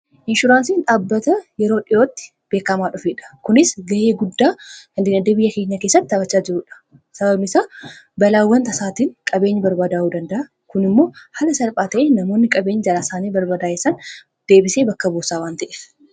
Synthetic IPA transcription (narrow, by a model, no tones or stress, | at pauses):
ʔɪnʃʊɾaːnsiːnᶑaːbːɐt̪ɐjɛɾo̞ːᶑɪʔoːt̪ːɪ̥ | b̥e̞ːkːɐmaːᶑʊfeːᶑɐ̥kʊnɪsɡɐʔeːɡʊd̪ːaːhɐnd̪ɪnɐd̪e̞ːbɪjːɐke̞ːɲːɐkeːsːɐt̪ːɪt̪ːɐbɐt͡ʃːaːd͡ʒɪɾuːᶑɐ̥ | sɐbɐbnɪsaː | bɐlaːwːɐnt̪ɐsaːt̪iːŋkʼɐbe̞ːɲːɪbɐɾbaːd̪aːʔuːd̪ɐnd̪ɐʔɐ | kʊnɪmːo̞ːhɐlɐsɐlpʼaːt̪ɐʔeːnɐmo̞ːnːɪkʼɐbe̞ːɲːɪd͡ʒɐlaːsaːniːbɐɾbaːd̪aːesɐn | d̪̥e̞ːbɪse̞ːbɐkːɐboːsaːwaːnt̪ɐʔeːf